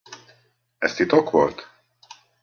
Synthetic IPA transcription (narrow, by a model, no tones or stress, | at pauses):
ɛst̪it̪okʋo̰lt̪